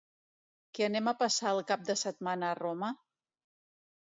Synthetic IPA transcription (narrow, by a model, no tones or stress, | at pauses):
kɛənɛməpəsaəlˠkap̚d̪əsət̪̚manəːrɔmə